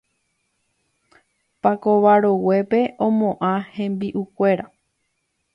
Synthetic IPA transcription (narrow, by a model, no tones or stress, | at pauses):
pako̞ʋaɾowe̞pe̞ʔõmõʔãhẽmbiʔukʷe̞ɾa